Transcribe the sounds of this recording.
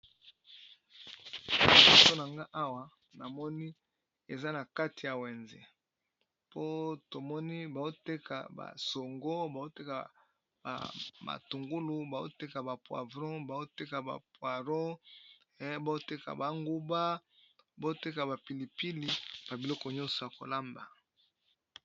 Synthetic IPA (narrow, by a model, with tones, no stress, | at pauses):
mɔ˦˨so˦na˨ŋɡa˦ʔa˦wa˨ | na˨mɔ˦ni˦ | e˨za˦na˨ka˦ti˨ja˨we˨nzḛ˨ | po˦to˨mɔ˦ni˦ba˨o˦te˦ka̰˨ba̰˨so˨ŋɡo˦ba˨o˦te˦ka˨ | ba̰˨ma̰˨tu˨ŋɡu˦lu˨ba˨zo̰˦te˦ka˨ba˨pwa̰˨vʁɔ̃˦ba˨zo˦te˦ka˨ba̰˨pwa˨ʁɔ˦ | ba˨zo˦te˦ka̰˨ba˨ŋɡu˦ba˦ba˨˦o˦te˦ka˨ba˨pi˨li˨pi˦li˨b̥a˨bi˨lɔ˦kɔ˨ɲɔ̃˦nsɔ˨ja˨ko̰˨la˦mba˨